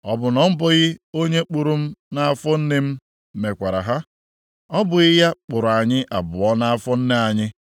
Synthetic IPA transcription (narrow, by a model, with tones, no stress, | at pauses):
ɔ˦bʊ˨nɔ˨m̩˦bɔ˦ɣɪ˦o˦ɲe˦k͡pu˨ɾu˦m̩˦na˦a˦fɔ˦n̩˦nɪ˦m̩˦ | me˨kʷa˨ɾa̰˨ɦa˦ | ɔ˦bʊ˨ɣɪ˦ja˦k͡pʊ˨ɾʊ˨a˨ɲɪ˦ʔa˨bʊ˨ɔ˦na˦a˦fɔ˦n̩˦ne˦a˨ɲɪ˦